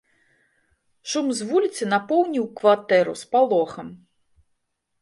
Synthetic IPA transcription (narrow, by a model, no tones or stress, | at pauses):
ʂumzvulʲit̪sʲɨnapɔwnʲiwkvat̪ɛɾṵspalˠɔxɐm